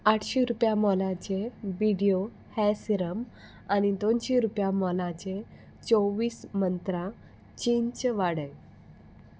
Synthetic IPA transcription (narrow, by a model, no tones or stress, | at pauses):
aʈʰɕiɾupjamɔlãt͡ɕeʋiɽijo | hɛsiɾəm | anid̪onɕeɾupjamɔlãt͡ɕe | t͡soʋiːsmənt̪ɾã | t͡ɕint͡ɕʋaɽəj